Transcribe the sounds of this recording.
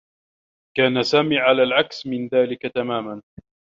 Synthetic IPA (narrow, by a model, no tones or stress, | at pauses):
kaːnasaːmiːʕalaːlʕaksmɪnðaːlɪkat̪amaːman